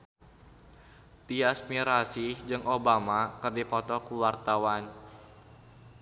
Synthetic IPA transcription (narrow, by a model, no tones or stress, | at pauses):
t̪iasmiɾasihd͡ʒɨŋʔobamakɨrdipɔt̪ɔkuwart̪awan